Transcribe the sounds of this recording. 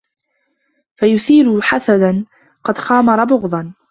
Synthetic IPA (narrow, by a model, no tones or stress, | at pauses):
fajʊθiːɾʊħasad̪an | qɑd̪xɑːmɑɾˤɑbʊɣd̪ˤɑn